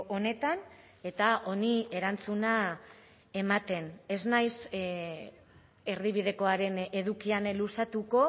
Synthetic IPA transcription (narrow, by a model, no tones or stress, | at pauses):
one̞t̪an | e̞t̪aʔo̞nie̞ɾant͡suna | e̞mat̪e̞ne̞znajs | e̞ɾðiβ̞ið̞e̞ko̞aɾe̞ne̞ðukianlusat̪uko̞